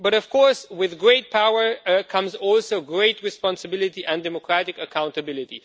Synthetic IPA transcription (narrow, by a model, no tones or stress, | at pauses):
bʌɾʌv̥kʰɔɹswɪðɡɹeɪt̚pʰaʊə˞kʰʌ̃mzɔlˠsoʊɡɹeɪt̚ʰɹɨspɑ̃nsɨbɪlˠɪtiʔɨ̃ndɛmɔkʰɹæɾɪkəkʰãʊ̃ntəbɪlɪtḭ